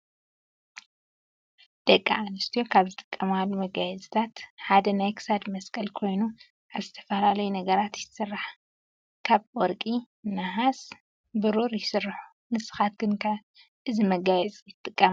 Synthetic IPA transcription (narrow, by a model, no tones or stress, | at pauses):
d̪̥ɐkʼːa̰anɨst̪ʰijo̞kʰaβzɨt̪ʼɨ̥kʼːɐmalːumɐɡajɛzʼt̪ʰat̪ħad̪ɐnajkʰɨ̥sad̪mɐskʼɐlkʰo̞jnu | ʔaβzɨt̪ʰɐ̥fɐlalɐjunɐɡɐɾat̪jɪt̪sɨrːaħ | kʰaβwɔɾkʼi | naɦas | bɨɾuɾjɪsɨrːaħu̥ | mɨsɨ̥xat̪̚ɡɨnkʰa | ʔɨzimɐɡajɛzʼjɪt̪ʼːɨkʼːɐma